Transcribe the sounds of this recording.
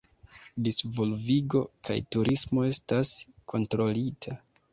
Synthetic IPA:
disvo̞lviɡo̞ka̰jtuɾʔismo̞e̞staskʰo̞ntɾo̞litʰa

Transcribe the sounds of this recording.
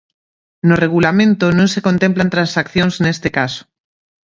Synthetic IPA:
noreɣulamẽnt̪onõnsekont̪emplant̪ɾansakθjonznest̪ekaso̥

